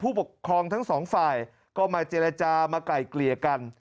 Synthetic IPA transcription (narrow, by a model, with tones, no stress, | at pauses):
pʰuː˥˩po˨˩kʰːɾɔː˧ŋt̪ʰa˦˥ŋsɔː˩˦ŋfaː˨˩j | kɔː˥˩maː˧t͡ɕeː˧ɾa˧t͡ɕaː˧maː˧kla˨˩jkli˨˩əka˧n